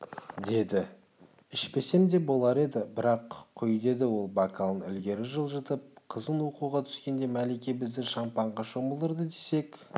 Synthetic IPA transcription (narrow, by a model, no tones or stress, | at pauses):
d̪e̞d̪ɪ | ɪʃpe̞se̞md̪e̞bo̞lˠɑɾe̞d̪ɪbɪɾɑqʰːʏjd̪e̞d̪ɪwo̞lˠbɑkʰalˠənʏ̰lɡʲe̞ɾɪʒəlˠʒət̪əp̚qʰəzənwo̞quʁɑt̪ʰʏ̥skʲe̞nd̪e̞mælekʲe̞bɪzd̪ɪʃɑmpɑɴʁɑʃo̞məlˠəɾd̪əd̪e̞se̞k